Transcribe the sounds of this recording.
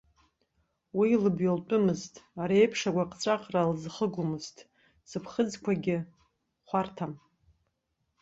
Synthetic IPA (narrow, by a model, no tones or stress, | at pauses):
wilɨbjolpʼʊmɨztʰʼaɾejpʰʂakʷaqʼt͡sʷʼaqʼralzχəɡʷʊmɨztʼ | sɨpʰχəd͡zkʷʰaɡʲɪ | χʷartʰam